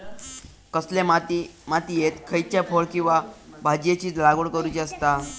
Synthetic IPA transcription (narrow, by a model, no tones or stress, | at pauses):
kəslemat̪imat̪iːjet̪kʰəjt͡ɕjafoɭkĩw̃ʋabʱad͡ʑjet͡ɕiːd͡zlaɡuɽkəɾut͡ɕiəst̪a